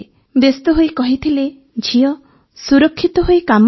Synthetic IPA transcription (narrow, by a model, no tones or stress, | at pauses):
best̪ɔɦojkɔɦit̪ʰile | d͡ʒʱiɔ | suɾɔkʰːit̪ɔɦojkam